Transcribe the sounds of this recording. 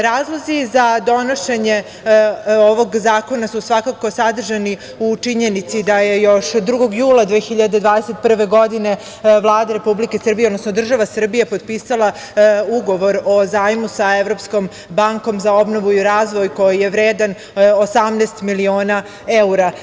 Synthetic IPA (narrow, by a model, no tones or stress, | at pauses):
ɾaːzlˠo̞zizad̪o̞no̞ʃeɲe | oʋo̞ɡzaːko̞nasusʋakako̞sad̪r̩ʒani | ut͡ʂiɲenit̪sid̪aje̞jo̞ʃd̪ɾuɡo̞ɡjuːlˠad̪ʋeːxiʎad̪e̞d̪ʋaːd̪eset̪̚pr̩ʋe̞ɡo̞d̪ine̞ | ʋlˠaːd̪aɾe̞publike̞sər̩bijeod̪nosnod̪r̩ʒaʋasr̩bije̞pod̪piːsalˠa | uɡo̞ʋo̞ɾo̞zaːjmusaeʋɾo̞psko̞m | baŋko̞mzao̞bno̞ʋuiɾaːzʋo̞jko̞jijeʋɾeːd̪an | osamneːst̪milio̞ːna | euɾa